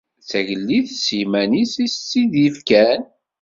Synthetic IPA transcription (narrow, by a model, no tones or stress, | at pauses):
θæʝəlːiðsimænisist͡sːiðifkæn